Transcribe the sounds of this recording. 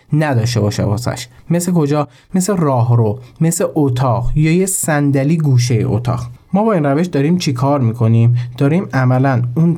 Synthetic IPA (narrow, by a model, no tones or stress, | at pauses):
næd̪ɒːʃ̬t̪e̞bɒːʃḛbosæ̰ʃmesleko̞d͡ʒɒː | meserɒːɦɾome̞seʔot̪ʰɒːɢjɒːjesænd̪æliːɡuːʃ̬ejḛʔo̰t̪ʰɒ̰ːɣmɒːbɒːinræveʃd̪ɒːɾiːmt͡ʃʰekʰɒːɾmiːkʰo̞niːmd̪̥ɒːɾiːmæmælænun